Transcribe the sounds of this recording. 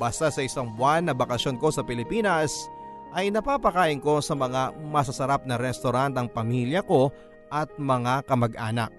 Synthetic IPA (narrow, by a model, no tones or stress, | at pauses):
bɐst̪asɐɪsɐŋbʊanːɐbɐkɐsjo̞nko̞sɐpɪlɪpiːnɐs | ʔɐjnɐpaːpɐkaːʔɪŋko̞sɐmɐŋamɐsɐsɐɾap̚nɐɾɛst̪oɾant̪ɐŋpɐmiljɐko̞ | ʔɐt̪̚mɐŋakɐmɐɡʔaːnɐ̰k̚